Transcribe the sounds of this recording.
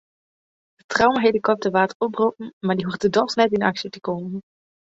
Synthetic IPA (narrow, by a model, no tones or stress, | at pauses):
d̥ətrɑwmaɹɦejdəkɔp̚dəʋaːtəɔpropən̩maːɹdiɦuftdədɔsnɛtɪnɑksiətəkoːmən